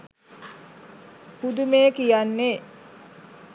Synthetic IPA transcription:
pud̪umeːkijanːe

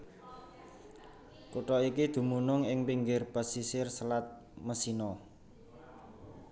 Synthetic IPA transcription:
kuʈɔikid̪̥ṳmunʊŋɪŋpiŋɡɪrb̥a̤sisɪrsəlat̪̚ | məsinɔ

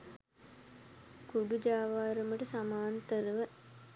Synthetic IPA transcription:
kuɖud͡ʒaːʋaːɾəməʈəsamaːnt̪əɾəʋə

